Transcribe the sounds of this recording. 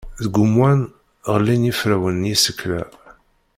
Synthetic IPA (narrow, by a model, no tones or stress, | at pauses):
ðəɡʷʊmwæn | ʁəlːinjifɾæwənjisəkːlæ̰